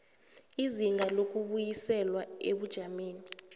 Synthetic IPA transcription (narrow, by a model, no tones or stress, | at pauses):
iziŋɡʱalok̬ʼuɓujisɛlwaeɓud̥ʒ̥ʱameːni